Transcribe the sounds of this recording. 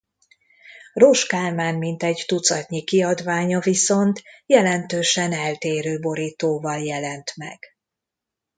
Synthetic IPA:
roʃkaːrmaːnmint̪ɛɟt̪ut̪sɒt̪ɲikiɒd̪ʋaːɲɒviso̞nt̪jɛlɛnt̪øːʃɛnɛlt̪eːɾøːbo̞ɾiːt̪oːvɒljɛlɛnt̪mɛ̰ɡ̥

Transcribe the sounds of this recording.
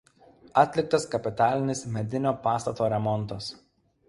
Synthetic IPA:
ɐt̪ʲlʲɪk̚t̪ɐskɐpʲɪt̪ɑːlʲɪnʲɪsmʲɛd̪ʲɪnʲoːpɑːst̪ɐt̪oːɾʲɛmɔnˑt̪ɐs

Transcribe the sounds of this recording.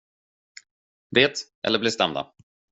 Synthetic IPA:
veːt̪ʔɛ̰ləblɪst̪ɛmd̪a̰

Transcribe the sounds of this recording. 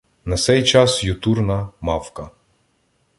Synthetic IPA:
nasɛjt͡ʃasjut̪uɾnamafka

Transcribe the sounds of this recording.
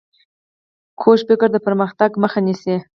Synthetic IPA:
kʰoʃfɪkəɾd̪əpəɾməxt̪aɡməxanisi

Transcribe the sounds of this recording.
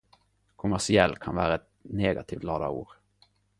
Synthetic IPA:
kʰʊmæʂɪɛlːkʰanvæːɾaɛt̪̚neːɡat̪ʰiːft̪lɑːd̪a̰uːɾ

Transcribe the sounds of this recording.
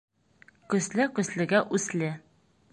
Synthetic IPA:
kɵ̆slɘkɵ̆slɘ̆ɡæʔʉslɘ

